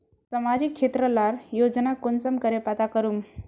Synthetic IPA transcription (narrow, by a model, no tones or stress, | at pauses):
samad͡ʑikʂet̪ɾəlaɾjod͡znakonsəmkəɾepat̪akəɾuːm